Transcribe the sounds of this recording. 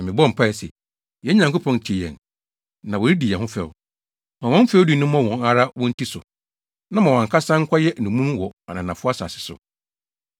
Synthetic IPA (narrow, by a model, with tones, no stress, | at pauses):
nã˨mɪ̃˨bɔ˦˨m̩˨pʰa˦˨sɛ˨ | jɛ˦ɲã˨ŋko˦pʰɔ̃˨ntʰi˨ɛ̰̃˨n | nã˨wɔ˨ɾi˦di˨jɛ˨hʊ̃˦fɛ˨w | mã˨wɔ̃˦fɛ˦wdi˨˦nʊ̃˦m˦ɔ̃˦wɔ̃˨ŋa˦ɾa˦wɔ̃˦n̩˦tʰi˦sʊ˨ | nã˦mã˨wã˨ŋkʰa˦sã˦ŋ̩˦kʷʰa˦jɛ˦˨nũ˨mũ˦m˦wɔ˨a˨nã˨nã˨fʊ˦a˦sa̰˨sɪ̥˨sʊ̰˨